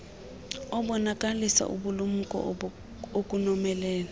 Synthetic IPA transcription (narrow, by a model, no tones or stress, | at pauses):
ɔɓɔnakʼalisa̰ʔṵɓulum̩kʼɔ̰ | okʼunɔmɛlɛːla